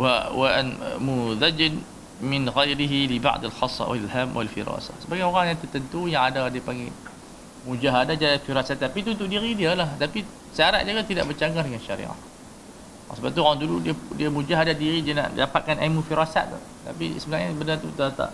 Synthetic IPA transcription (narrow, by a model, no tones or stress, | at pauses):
wawaʔa̰nmuðad͡ʒɪn | mɪnɣajɾiɦiliba̰ʔd̪alxɑsˤːɑ̰wa̰lɦamwa̰lfḭɾɑ̰sa̰hsəbaɡajoɣaŋjaŋt̪ət̪ənt̪ujaŋadadiəpaŋɡɛ | mud͡ʒaɦadad͡ʒajafiɾasat̪̚ːapit̪unt̪ʊʔdiɾidiəlaht̪api | səaɾaʔ̚d͡ʒaɡat̪idaʔbət͡ʃaɡardəŋanʃaɾḭʔa̰h | ɔ̰səbat̪uoɣaŋduludiədiamũd͡ʒaɦadat̪̚diɾidiana̰ʔdapat̪̚kanʔa̰mufiɾasa̰t̪̚t̪ʊ̰ | t̪apḭsəbənaɲasbənat̪ut̪at̪a̰ʔ